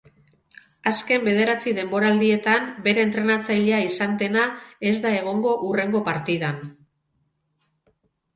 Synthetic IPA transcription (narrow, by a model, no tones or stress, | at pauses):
aske̞mbe̞ð̞e̞ɾat͡siðe̞mbo̞ɾaːld̪ie̞t̪ambe̞ɾe̞ːnt̪ɾe̞nat͡sajʎeaisand̪e̞nae̞zd̪ae̞ɣ̞o̞ŋɡo̞ʔure̞ŋɡo̞paɾt̪ið̞an